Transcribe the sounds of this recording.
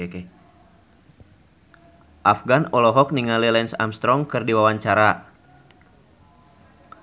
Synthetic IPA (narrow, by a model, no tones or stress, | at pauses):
kɛ | ʔafɡanɔlɔɦɔk̚niŋalɛlɛnsa̰mst̪ɾɔŋkɨrdiwawaɲt͡ʃaɾa